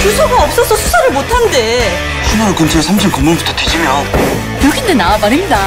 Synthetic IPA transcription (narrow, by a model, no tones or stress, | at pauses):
t͡ɕusʰoɡaʌp̚s͈ʌsʰʌsʰusʰaɾɯɭmotʰande̞ | ɕʰunakɯnt͡ɕʰesʰamt͡ɕʰimkumunbutʰʌtwed͡ʑimjʌn | joɡindenaamaɾimɲida